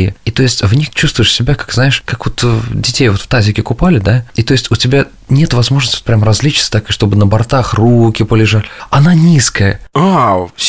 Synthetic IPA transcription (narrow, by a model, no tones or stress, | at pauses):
ɪ̰it̪o̞jɪsʲtʲvnʲixt͡ɕust̪vʊɪʂsʲɪbʲakḁkznaɪʂkakvot̪ədʲɪtʲejvo̞t̪ft̪azʲɪkʲɪkʊpalʲɪd̪ait̪o̞ɪsʲtʲʊtʲɪbʲa | nʲet̪vɐzmo̞ʐnəsʲtʲvɪt̪pɾʲamrɐzʲlʲit͡ɕɪ̥t̪sə̥t̪akɨʂt̪o̞bɨnəbɐrt̪axrukʲɪpəlʲɪʐalʲɪɐnanʲiskəjəa